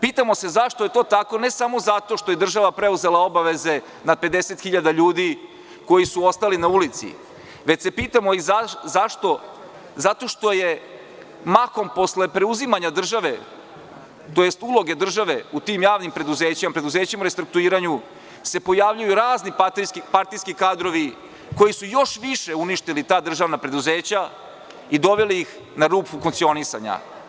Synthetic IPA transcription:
piːt̪amo̞se̞zaʃt̪ojet̪o̞ːt̪ako̞ne̞samo̞zat̪o̞ʃt̪o̞jed̪r̩ʒaʋapɾe̞uze̞lao̞baʋe̞ze̞ | nad̪̚pe̞d̪eset̪xiʎad̪aʎuːd̪i | ko̞jisuo̞st̪alinaulit̪sḭ | ʋe̞t͡ɕse̞piːt̪amo̞izazaʃt̪o̞ | zat̪o̞ʃt̪o̞je | mako̞mpo̞sle̞pɾe̞uzimaɲad̪r̩ʒaʋe̞ | t̪o̞jest̪ulˠo̞ɡe̞d̪r̩ʒaʋe̞ut̪iːmjaːʋnimpɾe̞d̪uzeːt͡ɕimapɾe̞d̪uze̞ːt͡ɕimuɾe̞st̪ɾuk̚t̪uiːɾaɲu | se̞po̞jaʋʎujuɾaːznit̪iipaɾt̪ijskikaːd̪ɾo̞ʋi | ko̞jisujo̞ʃʋiʃe̞uniʃt̪ilit̪aːd̪r̩ʒaːʋnapɾe̞d̪uzeːt͡ɕa | id̪o̞ʋeliix | naɾuːpufuŋkt̪sio̞nisa̰ɲa̰

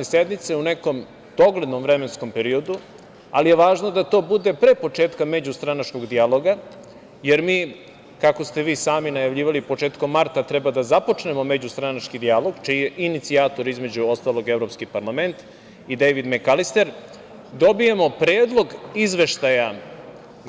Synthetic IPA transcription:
esed̪nit̪seuneko̞m | d̪̥o̞ɡled̪no̞mvɾemensko̞mpeɾio̞d̪u | alijeʋaːʒno̞d̪at̪o̞ːbud̪e̞pɾepo̞t͡ʂeːt̪kamed͡ʑust̪ɾanat͡ʃko̞ɡd̪ijalˠo̞ɡa | jeɾmiː | kako̞st̪e̞ʋiːsaːminajaʋʎiːʋalipo̞t͡ʃe̞ːt̪komːaɾt̪at̪ɾɛbad̪azapo̞t͡ʃne̞mo̞med͡ʑust̪ɾanat͡ʃkid̪ialo̞ɡt͡ʃijeʔinit̪siaːt̪o̞ɾizme̞d͡ʑuo̞st̪aːlo̞ɡe̞vɾo̞pskipaɾlˠame̞nt̪ | id̪ejʋid̪mekalist̪eɾ | d̪o̞bijemo̞pɾeːd̪lˠo̞ɡizʋe̞ʃt̪aja

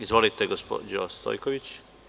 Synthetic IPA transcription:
izʋolit̪eɡospo̰d͡ʑost̪o̞̰jkoʋit͡ɕ

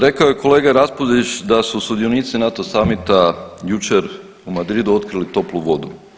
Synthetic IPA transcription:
ɾe̞kaoje̞kʰo̞le̞ːɡaɾaspoziʃd̪asusud̪io̞niːt̪sinat̪osamit̪ajut͡ʃe̞ɾ | umad̪ɾid̪uo̞t̪̚kɾilit̪o̞pluʋo̞d̪ṵ

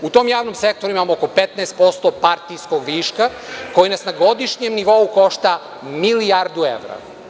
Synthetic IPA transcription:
ut̪o̞mjaːʋnomse̞k̚t̪o̞ɾuimamooko̞pet̪nɛest̪po̞st̪opaɾt̪ijsko̞ɡʋiːʃkako̞jinasnaɡo̞d̪iʃɲemniʋo̞uko̞ʃt̪a | milijaɾd̪uḛʋɾa̰

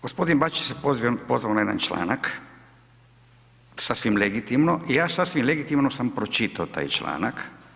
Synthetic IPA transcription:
ɡ̥ospo̞d̪inbat͡ʃiesepozʋiopo̞zʋaonaed̪a̰nt͡ʃla̰ːnak | sasʋimleɡit̪imnoʔijaːsasʋimleɡit̪imnosampɾot͡ʃit̪aot̪a̰ːjt͡ʃla̰ːnak

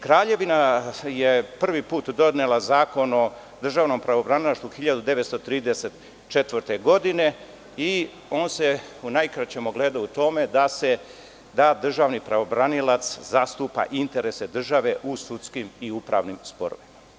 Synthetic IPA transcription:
kɾaːʎe̞ʋinajepr̩ʋipuːt̪d̪o̞d̪nelazaːko̞no̞ | d̪r̩ʒaːʋno̞mpɾaʋo̞bɾanilaʃt̪uxiʎad̪ud̪e̞ʋet̪st̪ot̪ɾiːd̪eset̪ | t͡ʃet̪ʋərt̪eɡo̞d̪ine̞ | i | o̞ːnse̞unajkɾat͡ɕemoɡleːd̪aut̪o̞me̞d̪ase | d̪ad̪r̩ʒaːʋnipɾaʋo̞bɾanilat̪szast̪uːpa̰ʔint̪e̞ɾese̞d̪r̩ʒaʋe̞ʔusut̪skimiupɾa̰ːʋnimspo̰ɾo̰ʋima

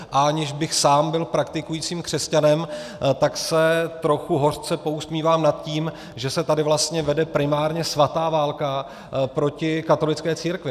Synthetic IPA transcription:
ʔaaɲɪʒbɪxsaːmbɪlpɾak̚t̪ɪkujiːt͡siːmkr̥ɛscanɛmt̪aksɛt̪ɾo̞xuɦo̞rt͡sɛpo̞usmiːvaːmnat̪̚ciːm | ʒɛsɛt̪adɪvlast̪ɲɛvɛdɛpɾɪmaːɾɲɛsvat̪aːvaːlka | pɾo̞cɪkat̪o̞lɪt͡skɛːt͡siːɾkvɪ

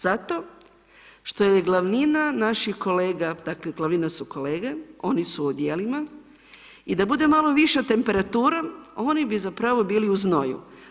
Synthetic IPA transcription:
z̥at̪o̞ | ʃt̪o̞jeɡlˠaʋninanaʃixko̞le̞ːɡad̪akleɡlˠaʋninasuko̞le̞ːɡe̞o̞nisuod̪jeːlima | id̪abud̪e̞malˠo̞ʋiʃat̪e̞mpe̞ɾat̪uːɾao̞ːnibizapɾaʋo̞biːliuzno̞jṵ

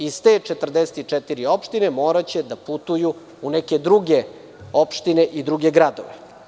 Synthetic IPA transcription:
ist̪e̞ːt͡ʂet̪r̩d̪eset̪it͡ʂɛt̪iɾio̞pʃt̪inemo̞ːɾat͡ɕe̞d̪aput̪uju | unɛke̞d̪ɾuɡe | o̞pʃt̪ine̞ʔid̪ɾuɡeɡɾad̪o̰ʋe

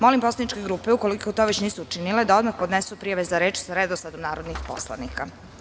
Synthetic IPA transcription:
mo̞limpo̞slˠanit͡ʃkeɡɾuːpeuko̞liko̞t̪oʋet͡ɕniːsuut͡ʃinile̞d̪ao̞d̪maxpod̪nesupɾijaʋe̞zaɾe̞ːt͡ʃsɾed̪osad̪omnaːɾod̪nixpo̞̰slˠa̰nika

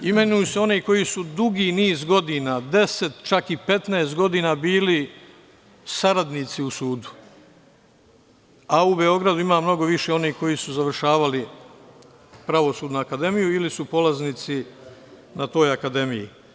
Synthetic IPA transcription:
ime̞nujuseo̞niko̞jisud̪uɡiːniːzɡo̞d̪iːnaːd̪e̞se̞t̪t͡ʃakipe̞t̪neːst̪̚ɡo̞d̪iːnaːbiːli | saɾad̪nit̪siusuːd̪u̥ | aubeo̞ɡɾad̪uimaːmno̞ɡo̞ʋiʃeo̞niːko̞jisuzaʋr̩ʃaːʋali | pɾaʋo̞suːd̪nuakad̪e̞mijuilisupo̞lazniːt̪si | nat̪o̞ːjakad̪e̞mijḭ

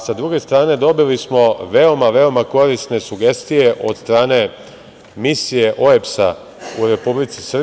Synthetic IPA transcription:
sad̪ɾuɡe̞st̪ɾaːne̞d̪o̞bilismo̞ʋe̞o̞maʋe̞o̞mako̞ɾisne̞suɡe̞st̪ije̞ʔo̞d̪st̪ɾaːne̞ | misije̞ʔo̞epsa | uɾe̞publit̪si̥sr̩

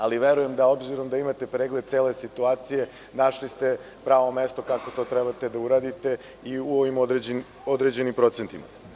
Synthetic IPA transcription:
aliʋe̞ɾuje̞md̪ao̞bziɾo̞md̪aimat̪e̞pɾeːɡled̪̚t̪e̞ːle̞sit̪uaːt̪sije̞ | naʃlist̪e̞ | pɾaːʋo̞mest̪o̞kako̞t̪o̞t̪ɾɛbat̪e̞d̪auɾaːd̪it̪e̞ | iuo̞ʋimod̪ɾed͡ʑn | od̪ɾed͡ʑe̞nimpɾo̞t̪sent̪ima̰

